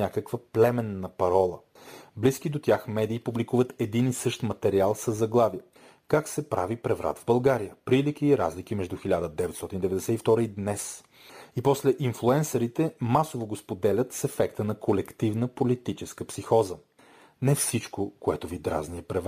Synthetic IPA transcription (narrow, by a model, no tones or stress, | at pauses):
akəkvəplɛmɛnːəpɐɾɔlˠə | blisk̟id̪ot̪ʲjaxmɛd̪iːpublikuvət̪ɛd̪inisɤʃt̪mɐt̪ɛɾialˠsəzːɐɡlˠaviə | kaksɛpɾa̰vipɾɛvɾa̰t̪vbɐlˠɡaɾijəpɾilikʲiːɾa̰zlikimɛʒd̪uxilʲad̪əd̪ɛvɛt̪sɔt̪ind̪ɛvɛd̪ɛsɛift̪ɔɾəid̪nɛs | ipɔslɛʔinflˠuɛnsɐɾit̪ɛmasovoɡospod̪ɛlʲət̪sɛfɛkt̪ənɐkʰolɛkt̪ivnəpolit̪it͡ʃɛskəpsixɔzə | nɛfsit͡ʃkokoɛ̰t̪ovid̪ɾa̰zniɛpɾɛv